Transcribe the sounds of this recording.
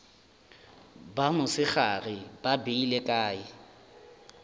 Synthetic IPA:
bamʊsɪχarɪbabeilekʼaːɪ

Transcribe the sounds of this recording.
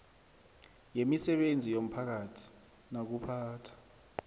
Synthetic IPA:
jemisɛɓend͡zʱijom̩pʰak̬atʰi̥ | nak̬upʰaːtʰḁ

